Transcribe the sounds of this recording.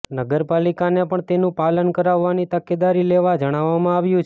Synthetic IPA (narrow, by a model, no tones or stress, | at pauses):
nəɡəɾpalikanepəɳt̪enũpalənkəɾaʋːanit̪əked̪aɾileʋad͡ʒəɽ̃aʋːamãaʋjũt͡ʃʰ